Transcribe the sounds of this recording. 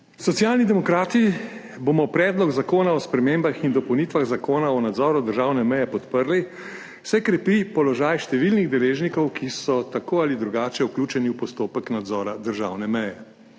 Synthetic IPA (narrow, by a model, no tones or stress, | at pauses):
sɔt̪sjaːlnid̪ɛmɔkɾaːt̪i | boːmɔpɾɛːd̪lɔɡzakoːnaɔspɾɛmeːmbaxind̪ɔpɔwniːt̪ʋaɣzakoːnaɔnad̪zɔːɾud̪əɾʒaːwnɛmɛjɛpɔt̪pəɾli | wsɛkɾɛpipɔlɔʒaːjʃt̪ɛʋilniɣd̪ɛleːʒnikɔwkisɔt̪akoːalid̪ɾuɡaːt͡ʃɛukluːt͡ʃɛniwpɔst̪oːpəknad̪zɔːɾad̪əɾʒaːwnɛmɛjɛ